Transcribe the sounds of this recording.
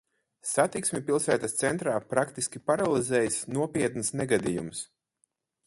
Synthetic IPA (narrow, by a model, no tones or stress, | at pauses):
sat̪iksmʲipilˠsæːt̪ast̪sɛnt̪ɾaːpɾakt̪iskʲipaɾalˠizɛːjsnuɔpʲiɛt̪nsnɛɡad̪ijums